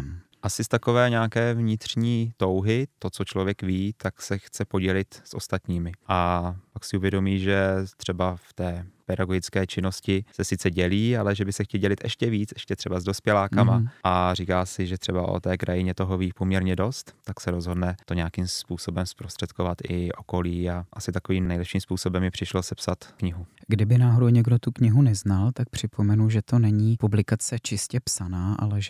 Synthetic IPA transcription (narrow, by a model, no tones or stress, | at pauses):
ʔasɪst̪ako̞vɛːɲaːkɛːvɲɪt̪r̝̥ɲiːt̪o̞wɦɪt̪ot͡sot͡ʃlovjɛkviːt̪aksɛxt͡sɛpo̞ɟɛlɪt̪sʔo̞̰st̪at̪ɲiːmɪʔapaksɪuvjɛdo̞miːʒɛt̪r̝̥ɛbaft̪ɛːpɛɾaɡoɡɪt͡skɛːt͡ʃɪno̞scɪsɛsɪt͡sɛɟɛliːalɛʒɛbɪsɛxcɛlɟɛlɪt̪ʔɛ̰ʃcɛviːt͡sɛʃcɛt̪r̝ɛbazdo̞spjɛlaːkamaʔariːkaːsɪʒɛt̪ɛbaʔo̰t̪ɛːkɾʔajɪɲɛt̪oɦoviːpomɲɛɾɲɛdo̞st̪ːaksɛɾo̞zɦo̞dnɛt̪o̞ɲɛakimspuːso̞bɛmspɾost̪r̥ɛt̪kovat̪ɪʔoko̞liːaʔasɪt̪akoviːmnɛjlɛpʃiːmspuːso̞bɛmjɛpr̥ɪʃlosɛpsat̪kɲɪɦuɡdɪbɪnaːɦoɾowɲɛɡdo̞t̪ukɲɪɦunɛznalt̪ak̚pr̝̥ɪpʰo̞mɛnuʒɛt̪o̞nɛɲiːpublɪkat͡sɛt͡ʃɪscɛpsanaːʔa̰lɛʒɛ